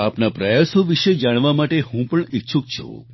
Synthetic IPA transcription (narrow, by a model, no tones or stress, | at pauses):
apnapɾəjasoʋiʃed͡ʒaɽ̃ʋamaʈehũpəɳitːt͡ʃʰũk̚t͡ʃʰṵ̃